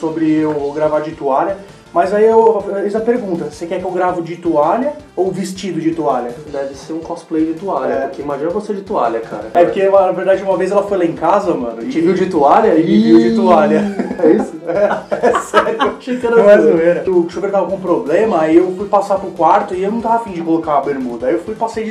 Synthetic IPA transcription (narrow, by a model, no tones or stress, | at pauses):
sobɾɪewɡɾavad͡ʒit̪ualɐ | mɐjzaiewizɐpeɾɡũnt̪ɐsekɛkɪewɡɾavʊd͡ʒit̪ualjɐowvist͡ʃid̪ʊd͡ʒit̪ualʲjɐd̪ɛvɪseɾũkɔsplejd͡ʒɪt̪ualjɐkɪimaʒĩnɐvosed͡ʒɪt̪ua̰lʲɐkʰa̰ɾɐɛpʊɾkeanɐveɾd̪ad͡ʒɪũmɐvejzɛlɐfojlaẽkazɐmɐ̰̃nʊɪt͡ʃiviʊd͡ʒit̪ualʲjɐiiviʊd͡ʒit̪ualʲɐɛisʊɛsɛɾjʊʃekɐ̃nmazũeɾɐʊʃubeɾt̪avakũpɾoblẽmɐiewfujpasapɾʊkwaɾt̪ʊɪewnɐ̃w̃t̪avɐafĩd͡ʒɪkolokabeɾmud̪ɐaiewfujpasejd͡ʒ